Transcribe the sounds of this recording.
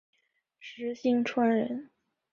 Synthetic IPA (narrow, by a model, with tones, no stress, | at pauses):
ʂɻ̩˧˥ɕi˥ŋʈ͡ʂʰwa˥nɻə̰˧˥n